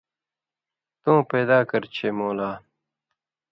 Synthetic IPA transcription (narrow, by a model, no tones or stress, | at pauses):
t̪ũːpeːd̪aːkɐɾt͡ɕʰeːmoːlaː